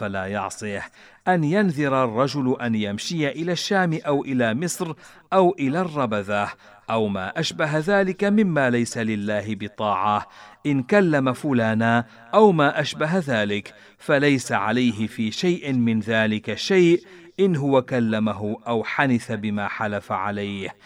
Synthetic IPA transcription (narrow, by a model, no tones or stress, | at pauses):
falaːjɑ̰ʕsˤɨh | ʔanjanðɪɾɑrˤːɑd͡ʒʊlʔanjamʃɪjaʔɪlaːʃːaːmɪʔawʔɪlaːmɪsˤɾ | ʔawʔɪlaːrˤːɑbaðah | ʔawma̰ːʔaʃbaɦaðaːlɪkamɪmːaːlajsalɪlːaːɦɪbɪt̪ˤɑːʕɑʔɪnkalːamafʊlaːnaː | ʔawmaːʔaʃbaɦaðaːlɪk | falajsaʕa̰lajɦɪfiːʃajʔɪmɪnðaːlɪkaʃajʔ | ʔɪnɦʊwakalːamaɦʊʔawħanɪθabɪmaːħalafaʕa̰lajh